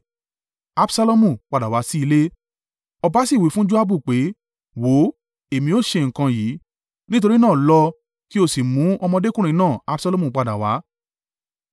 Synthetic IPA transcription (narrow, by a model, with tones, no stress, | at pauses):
a˦bsa˧lo˦mũ˧˨k͡pa˧˨da˨wa˨˦si˦i˧le˦ | ɔ˧ba˧˦si˦˨wi˨˦fũ˦d͡ʒu˦a˦bu˦˨k͡pe˨˦ | wo˨˦ | e˨mĩ˧o˦˨ʃe˧ŋ̩˨kã˧jiː˨˦ | nĩ˦t̬o˧ɾi˦nãː˦˨lɔ˧ | ki˦o˦˨si˨mũ˨˦ɔ˧mɔ̃˧de˦kũ˦ɾ̃ĩ˧˦nãː˦˨a˧˦bsa˧lo˧˦mũ˨k͡pa˨da˨wa˨˦